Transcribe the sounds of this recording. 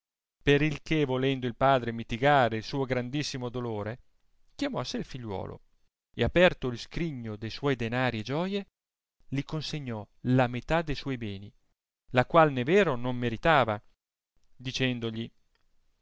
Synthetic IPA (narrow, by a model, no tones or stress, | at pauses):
peɾilkevolɛnd̪oilpaːd̪ɾemit̪iɡaːɾeilsuːoɡɾand̪isːimod̪oloːɾe | kjamɔseilfiʎːwɔ̰ːlo̰ | ḛapɛrt̪oilskɾiɲːod̪ejswɔjd̪enaːɾied͡ʒɔːje | likonseɲːɔ | lamet̪ad̪ejswɔjbɛːni | lakwalnevɛːɾonomːeɾit̪aːva | d̪it͡ʃɛnd̪oʎi